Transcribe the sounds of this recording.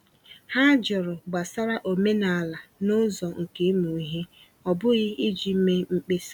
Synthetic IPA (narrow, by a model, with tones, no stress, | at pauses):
ha˦d͡ʒɔ˨ɾʊ˨ɡ͡ba˨sa˦ɾa˦ʔo˨me˦na˨a˨la˨nʊ˦zɔ˨ŋ̩˨ke˦mu˨i˦ɦe˦ | ɔ˨bʊ˦ɣɪ˦i˦d͡ʒi˨m̩˦me˦ŋ͡m̩˦k͡pe˦s